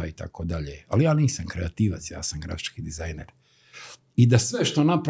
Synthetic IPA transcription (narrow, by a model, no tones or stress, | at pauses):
ait̪a̰kod̪aʎealijaːniːsamkɾeat̪iːʋat̪sja̰ːsamɡɾa̰fi̥t͡ʃkid̪izajnḛɾ | id̪asʋeʃt̪o̞napɾ